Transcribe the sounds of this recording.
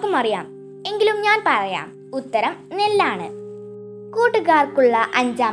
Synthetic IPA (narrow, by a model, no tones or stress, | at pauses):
kːumɐrijaːm | e̞ŋɡilumɲaːnpɐrɐja̰ːm | ut̪ːɐɾɐmnelːaːɳɨ̰ | kuːʈːɨɣaːrkuɭːɐʔɐɲd͡ʑaː